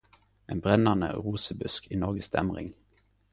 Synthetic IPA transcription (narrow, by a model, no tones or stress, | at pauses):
eːnbʁɛnɑnə̰ʁuːsəbʉskʰiːnɔʁɡəsd̪̥ɛ̰mʁɪ̰ŋ